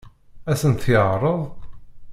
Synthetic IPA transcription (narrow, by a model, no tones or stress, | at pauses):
æsənt̪əʁrˤəðˤ